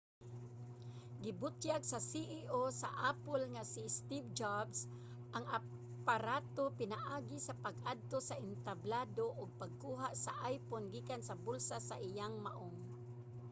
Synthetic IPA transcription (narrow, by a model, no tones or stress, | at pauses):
ɡɪbʊt̪jaɡsasiʔiʔosa̰ʔaːpʊlŋasɪst̪ivd͡ʒabs | ʔaŋa | paɾaːt̪opɪnaʔaːɡɪsapaɡʔad̪̚t̪osaɪnt̪ablaːd̪oʔʊɡ̚paɡ̚kuːɦaʔsaʔajponɡiːkansɐbʊlsasaʔɪjaŋmaʔoŋ